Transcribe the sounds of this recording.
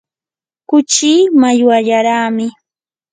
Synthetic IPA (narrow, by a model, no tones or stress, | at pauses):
kʊt͡ʃiːmajwaʎaɾaːmɪ